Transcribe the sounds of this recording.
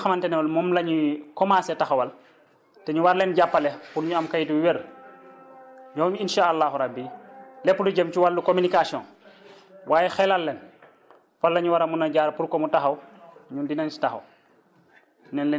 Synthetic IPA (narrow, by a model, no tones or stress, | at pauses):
ɐmantɛnɛwɐlmɔmlɐɲukɔmasɛtaxɐwɐl | tɛɲuwaɾlɛnɟapːɐlɛpuɾɲuɐmkajituwiweɾ | ɲɔːɲuinʃaːɐlːaːhuɾabːilɛpːuduɟɐmt͡ʃuwalːukominikasiɔ̰̃n | wʔaːjɛxɛlalːɛn | falːɐɲuwaɾɐmunɐɟaːɾpuɾkɔmutɐxɐwɲundinant͡ʃi̥tɐxɐ̰w | nɛnlɛ